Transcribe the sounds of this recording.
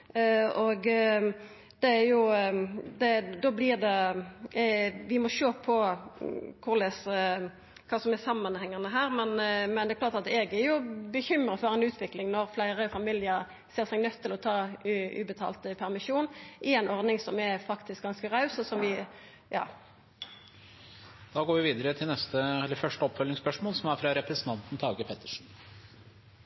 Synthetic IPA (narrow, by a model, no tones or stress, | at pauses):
ɔɡ | d̪̥ɛæɾjʊ | d̪ɛd̪ɔblɪʁd̪ɛ | ʋɪmɔʃøːpʰɔ | kʰʊʁlɛs | kʰɑːsɔmɛsɑmːənhɛŋːɑnəɦæːɾmɛnmɛnd̪ɛklɑːʁt̪ɑt̪ɛɡæɾjʊbəçʏmɾəfɔɾɛɪnʉːt̪ʰʋɪklɪŋnɔɾflæɪɾəfɑmiːljəɾ | seːʁsɛɡnœt̪ʰːɪlɔt̪ʰɑːʉ̰bət̪ʰɑ̰ːlt̪əpʰæʁmɪʂuːnʔɪæɪnɔʁd̪nɪŋsɔmɛfɑkt̪ɪsk̚ɡɑnskəʁɑʉsɔsɔmʋɪ | jɑ̰ː | d̪̥ɑːɡoːɾʋɪʋiːd̪əɾət̪ʰɪlnɛst̪əɛlːəɾfœʂʈəɔpːfœlnɪŋspœʂmoːlsɔmæɾfɾɑɾɛpɾɛsənt̪ɑnt̪n̩t̪ʰɑːɡəpʰɛt̪ːə̥ʂn̩